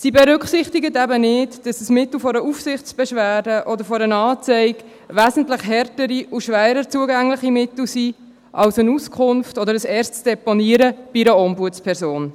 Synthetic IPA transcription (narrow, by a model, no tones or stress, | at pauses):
sibɛɾʏkχsɪχtiɡətæbənɪdd̥ɑsəsmɪt̪l̩fɔɾəufsɪχt͡sb̥ɛʃvæːdəʔɔd̪əɾfɔɾənɑːt͡sɛɪɡ | ʋæzən̩tlɪχɦɛrtəɾiʔuʃʋæːɾət͡suəɡæŋlɪχimɪtl̩si | ʔɑwsənuskʰʊnftɔd̪əɾəsɛːɾstt͡sd̥ɛpɔniəɾəb̥iɾəɔmbuət͡spʰɛɾzoːn